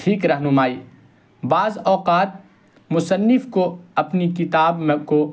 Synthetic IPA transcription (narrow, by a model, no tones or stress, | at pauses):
ʈʰiːkɾɐɦnʊmaːiː | baːzɔːqaːt̪̚ | mʊsənːɪfkoɐpnikɪt̪aːbmko